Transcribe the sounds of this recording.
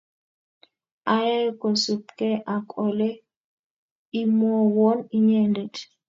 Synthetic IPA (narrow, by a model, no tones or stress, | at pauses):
ʔajakɔsupkɛʔakʼɔlɛ | imɔwɔniɲɛndɛt